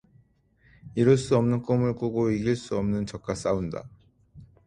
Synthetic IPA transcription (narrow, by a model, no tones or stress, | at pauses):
iɾɯɭs͈uʌmnɯnk͈omɯɭk͈uɡoiɡiɭs͈uʌmnɯnt͡ɕʌk̚k͈as͈aunda̰